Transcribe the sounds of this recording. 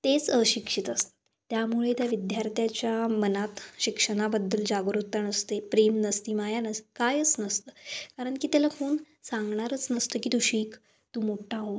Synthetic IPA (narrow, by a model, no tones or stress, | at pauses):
t̪et͡səɕikʂit̪əst̪ə̥ | t̪jamuɭet̪jaʋid̪jaɾt̪ʰjat͡ɕjamənat̪ɕikʂəɽ̃abəd̪ːəld͡ʑaɡɾut̪ːanəst̪epɾemnəst̪iːmajanəst̪kajət͡snəst̪əːkaɾəɳkiːt̪jalakoːɳ | saŋɡɳaɾət͡snəst̪əːkiːt̪uɕiːk | t̪uːmoʈʰaɦo